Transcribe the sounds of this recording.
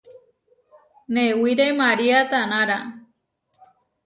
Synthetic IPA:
newiɾemaɾiat̪anaɾa

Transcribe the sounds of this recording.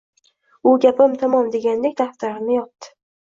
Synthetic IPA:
ʊɡʲapɪmt̪ʰamɒmd̪e̞ɡʲand̪e̞k̚ʲd̪aft̪aɾɪnɪjɒt̪̚d̪ɪ̥

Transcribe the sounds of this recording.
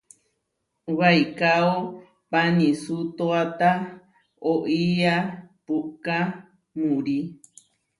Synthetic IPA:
waikao | panĩsut̪oat̪a | oʔiapuʔka | mũɾi

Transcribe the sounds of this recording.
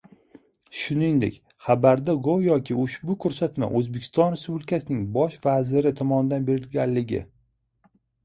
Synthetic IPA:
ʃʊnɪŋd̪ḛkʲ | χabaɾd̪aɡojɒkʲʰɪʊʃbʊkʰɵɾsat̪ma̰ʔɵzbekʲʰɪ̥st̪ɒnɾe̞spublɪkʰasɪnɪŋbɒʃvazɪɾɪt̪ʰɒmɒnɪd̪anbe̞ɾɪlɡʲanlɪɡʲɪ̰

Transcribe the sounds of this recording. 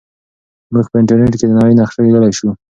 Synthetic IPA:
muɡpəɪɳʈaɾneʈked̪ənɑwəjnaxʂaled̪əlajʃu

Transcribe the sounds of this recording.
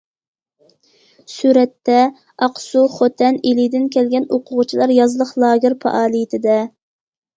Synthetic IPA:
suɾɛt̪ːɛ | ɑqsuχot̪ʰɛnelid̪ɪnkʲʰɛlɡʲɛnoqʰʊʁʊt͡ʃʰilˠɑɾjɑzlˠəχlˠɑːɡʲɪɾpʰɑ̰ʔɑːlˠijɪt̪ʰɪd̪ɛ

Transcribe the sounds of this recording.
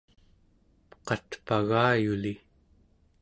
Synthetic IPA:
pqɑt̪paɣaːjuli

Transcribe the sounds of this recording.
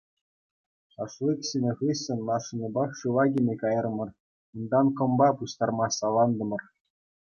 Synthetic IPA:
χɑʂlˠɯksenʲĕχɯsʲːenʲmɑʂɯ̆nʲɤ̆bɑχɕuʋɑɡʲinʲekɑjɤ̆rmɤ̆r | und̪ɑnkɤ̆mbɑpuɕt̪ɑrmɑsɑlˠɑnd̪ɤ̆mɤ̆r

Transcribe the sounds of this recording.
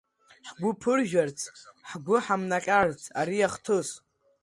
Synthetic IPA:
ħɡʷʊpʰɨrʒᶣart͡sʰħɡʷʊħamnaqʲʼart͡sʰʼaɾiaχtʰɨs

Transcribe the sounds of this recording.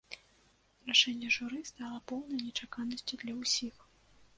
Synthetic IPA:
raʂɛnʲːɛʐuɾɨst̪alˠɐpɔwnɐjnʲɛt͡ʂakanɐsʲt͡sʲud̪lʲɐwsʲix

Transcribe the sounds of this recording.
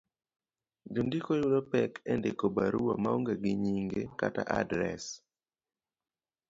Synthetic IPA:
d͡ʒondikojulopɛkʰɛndekobaɾuwamaoŋɡeɡɪɲiŋɡekata̰ʔadɾɛ̰s

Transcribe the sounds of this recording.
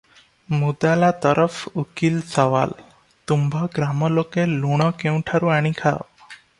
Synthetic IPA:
mud̪alat̪ɔɾʔəfukilsɔʋa̰l | t̪umbʱɔɡɾamɔlokeluɽ̃ɔkẽũʈʰaɾuaɽ̃ĩkʰaɔ̰

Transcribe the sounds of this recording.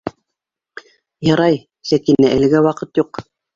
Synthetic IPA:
jɑɾɑj | sækinæʔɘ̆lɘ̆ɡæwɑqɤt̪juq

